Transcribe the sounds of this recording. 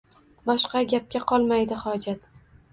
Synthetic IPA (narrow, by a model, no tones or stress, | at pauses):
bɒʃqɑɡʲap̚kʲaqʰɒlˠmajd̪ɪhɒd͡ʒat̪